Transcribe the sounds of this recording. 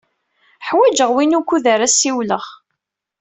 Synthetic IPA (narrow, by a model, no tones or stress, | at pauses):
ħwæd͡ʒəʁwinukːuðəɾæsːiwləʁ